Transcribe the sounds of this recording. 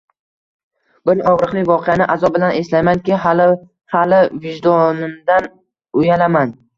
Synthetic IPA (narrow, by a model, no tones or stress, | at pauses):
ɡʊnɒwɾɨqlˠɪkʲvɒqʰejanɪʔazɒbɪlane̞slajmankʲɪl | halɪvɪʒd̪ɒnɪmd̪an | ʊjalaman